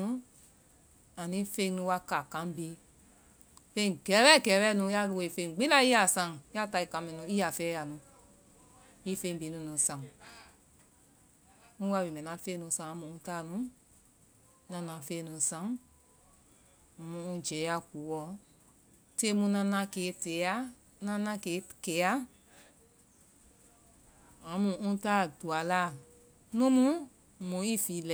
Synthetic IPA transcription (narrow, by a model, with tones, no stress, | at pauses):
ũ˦ | a˨nĩ˦fẽ˧˦nũ˧˦wa˧ka˨kã˦m˦bi˦ | fẽ˧˨ŋ˨ɡɛ˨˦ɾɛ˦˨kɛ˨˦ɾɛ˦nũ˧˦ja˦˨lu˧e˧i˨fẽ˧˨ɡ͡bi˦la˦i˦a˨sã˧˦ŋ˨ja˦˨ta˧i˨kã˨˦mɛ̃˧˨nũ˧˦i˦a˨fɛ˦ja˨nũ˧ | i˦fẽ˧˦bi˨˦nũ˧˦nũ˧˦sã˧˨ | nũ˦wa˧˦wi˨mɛ̃˨nã˨˦fe˦nũ˧˨sã˧˨a˧˦mũ˨ũ˦ta˦˨nũ˨˦ | nã˧˦nã˨fe˦˨nũ˨sã˧˦˨ | mũ˧˦ũ˦d͡ʒɛ˨˦ja˦ku˨˦wɔ˧ | te˦mũ˧nã˧nã˧ke˨˦te˨˦ja˦ | nã˦nã˦ke˨˦ke˨˦ja˦ | ã˨˦mũ˨ũ˦ta˦˨du˨a˨la˦˨ | nũ˦mũ˦˨ | mũ˨˦i˦fi˨˦lɛ˨˦